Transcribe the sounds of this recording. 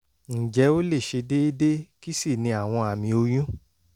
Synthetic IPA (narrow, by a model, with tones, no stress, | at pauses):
n̩˨d͡ʒɛ˨˦o˦le˦˨ʃe˧de˦i˦de˦ki˦si˦˨nĩ˧a˦˨w̃ɔ̃˧a˨mĩ˧o˧j̃ũ˦